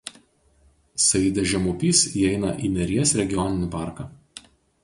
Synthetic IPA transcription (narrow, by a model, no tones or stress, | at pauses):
sɐɪd̪ʲɛʒʲɛmʊpʲiːsiɛɪnɐ̰ʔiːnʲɛɾʲiɛsɾʲɛɡʲɪjɔnʲɪnʲɪpɑˑɾkɑː